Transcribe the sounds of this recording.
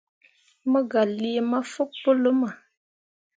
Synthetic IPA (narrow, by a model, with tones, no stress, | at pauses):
mə˦ɡa˨li˦e˨ma˦fu˦k̚po˦lə˦ma˨